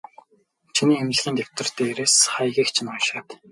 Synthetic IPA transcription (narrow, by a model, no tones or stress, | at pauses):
t͡ɕʰiniːemt͡ɕɮ̆ɣʲiːnt̪ʲewʲt̪ʰə̆r̥t̪eːeɾeːsχajɣʲiːkt͡ɕʰɪnʊjʃaːt̪